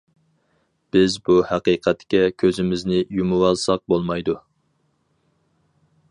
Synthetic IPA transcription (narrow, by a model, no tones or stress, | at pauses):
b̥ɪzbuhæqiqʰɛt̪kʲɛkʲʰøzɪmɪznɪjumuwɑlˠsɑq̚bolˠmɑjd̪u